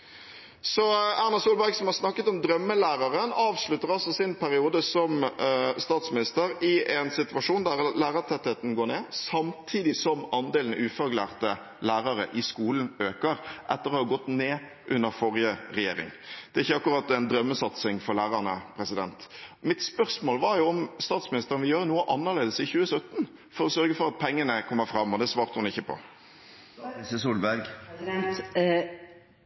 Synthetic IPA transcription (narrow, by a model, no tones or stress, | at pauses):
sɔæɾnɑsuːlbæɾɡsɔmhɑɾsnɑkːət̪ɔmd̪ɾœmːəlæːɾɑɾənɑːʋslʉt̪ːəɾɑlsɔsɪnpʰæɾɪuːd̪əsɔmst̪ɑːt̪smɪnɪst̪əɾɪʔɛnsɪt̪ʋɑʂuːnd̪æɾlæːɾət̪ʰɛt̪ːheːt̪n̩ɡoːɾɳeːsɑmt̪ʰiːd̪ɪsɔmɑnd̪eːln̩̰ʉːfɑɾɡlæ̰ːʁt̪ə | læːɾɑɾə̰ʔɪskuːln̩øːkəɾʔɛt̪ːəɾʁɔːhɑːɡɔt̪ːneː | ʔʉnːəɾfɔʁjəʁɛjḛːɾɪ̰ŋd̪̥ɛæɾɪçːəɑkːʉɾɑt̪ːæɪnd̪ɾœmːəsɑt̪sɪŋfɔɾlæːɾɑnəpʰɾɛsɪd̪ɛnt̪mɪt̪spœɾsmoːlʋɑɾjʊɔmst̪ɑːt̪smɪnɪst̪əʁənʋɪjøːɾnuːəʔɑnːəʁleːd̪əsɪçʉːəsœt̪ːn | fɔɾɔsœɾɡəfɔɾɑt̪̚pʰɛŋːənəkʰɔmːəfɾɑmːɔd̪ɛsʋɑːɾt̪əhʊnɪçːəpʰɔ̰ | səsuːlbæɾɡ̪t̪